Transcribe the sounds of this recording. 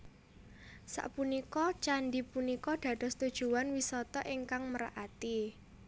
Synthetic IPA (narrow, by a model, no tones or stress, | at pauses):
sa̰ʔpunikɔt͡ʃanɖipunikɔɖ̪̥a̤d̪̥ɔ̤st̪ud̥ʒ̥ṳwanwisɔt̪ɔʔiŋkaŋməɾa̰ʔat̪i